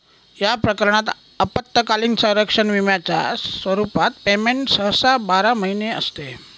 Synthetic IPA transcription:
japɾəkəɾɳ̃at̪ | əpət̪ːəkaliŋsə̃wɾəkʂənʋimjat͡ɕja̰sʋəɾupat̪̚pemeɳʈsəɦsabaɾaməɦineə̰st̪e

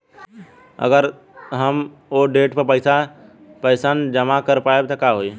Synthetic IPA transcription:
ə̰ɡəɾ | ɦəm | oɖeːʈpəɾpəɪsa | pəɪsand͡ʒəmakəɾpaːebt̪ɔkaɦoi

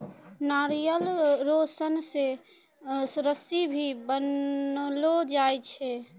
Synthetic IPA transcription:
naɾijəlɾosənse | sɾəsibʱibənlod͡ʒajt͡ʃʰɛ

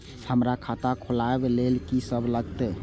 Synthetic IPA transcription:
həmɾakʰat̪akʰolaebelelkisəbʱləɡt̪ɛ

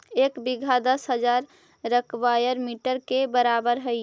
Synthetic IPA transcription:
ekbiɡʱad̪əsɦəd͡ʒaɾ | ɾəkbajəɾmiʈəɾkebəɾabəɾɦəj

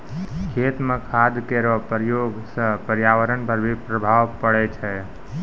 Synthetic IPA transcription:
kʰet̪mekʰad̪keɾəpəɾjoːɡsə̃pəɾjaʋəɾənpəɾbʱipɾəbʱaʋpəɽɛt͡ʃʰɛ

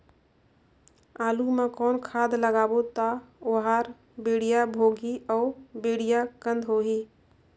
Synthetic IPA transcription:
aːlumẽkɔːnkʰaːd̪ləɡaːbot̪aoɦaːɾ | beːɽ̤ijabʱoːɡiɔːbeːɽ̤ijakə̃nd̪ʱɦoːɦiː

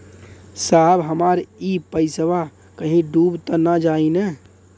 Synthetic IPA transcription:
sabɦəmaɾipəɪsəʋa | kəɦĩɖuːbt̪ənad͡ʒaːine

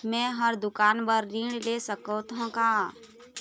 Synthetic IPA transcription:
mɛ̃ɦəɾd̪ʊkaːnbəɾːiːɽlesəkət̪ɦõka

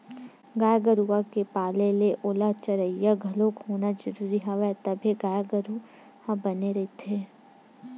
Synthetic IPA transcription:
ɡaːjɡəɾuakepaːleleʔoːlat͡ʃəɾəijaɡʱɐlokɦoːnad͡ʒɐɾuːɾiɦaʋɛt̪ɐbʱiɡaːjɡəɾu | hãbɐneɾɐit̪ʰeː

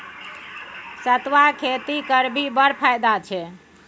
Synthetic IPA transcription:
sət̪ʋakʰet̪ikəɾbibəɾpʰajd̪at͡ʃʰɛ

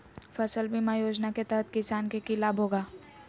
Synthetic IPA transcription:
fɐsəlbʱimajoːd͡ʒnaket̪ɐɦət̪kɪsaːnkekilaːbʱɦoːɡaː

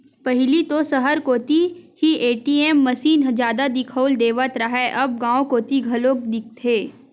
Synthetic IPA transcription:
pɐɦɪlit̪osɐɦəɾkoːt̪ihieːʈiːeːmːɐsiːnɦd͡ʒjaːd̪ad̪ɪkʰəld̪eːʋət̪ɾɐɦɛʔɐb̚ɡãːõkoːt̪iɡʱɐlok̚d̪ɪk̚t̪ʰeː

